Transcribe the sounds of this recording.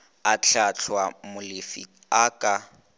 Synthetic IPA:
at͡ɬʰat͡ɬʰwamʊlɪfḭ | akʼa

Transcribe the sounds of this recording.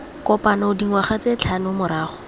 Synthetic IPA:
kɔpanɔʊdiŋwaχat͡set͡ɬʰanʊmʊɾaːχɔ̥

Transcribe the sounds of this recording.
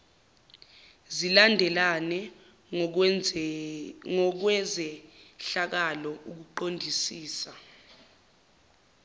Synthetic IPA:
zilandʱɛlanɛ | ŋɔk̬wɛzɛɬak̬alɔʔuk̬uǃondʱisiːsa

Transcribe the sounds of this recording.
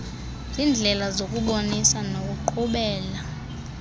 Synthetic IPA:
zind͡ɮʱɛlazokʼuɓonisanokʼuǃuɓɛːla

